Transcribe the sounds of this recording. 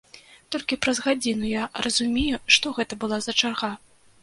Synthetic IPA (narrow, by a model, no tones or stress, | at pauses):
t̪ɔlʲkʲipɾɐzɣad͡zʲinujarʔɐzumʲejuʂt̪ɔɣɛt̪ɐbɨlˠazɐt͡ʂarɣa